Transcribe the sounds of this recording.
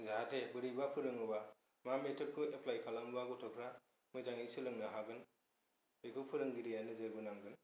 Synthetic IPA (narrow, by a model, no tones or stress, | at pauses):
zaɦatʰebɯɾibapʰɯɾɯŋɯba | mametʰɯp̚kʰɯepʰlajkʰalambaɡɯtʰɔkʰɾa | mɯzaŋisɯlɯŋnaɦaɡɯn | bekʰɯpʰɯɾɯŋɡiɾijanɯzɯɾbɯnamɡɯn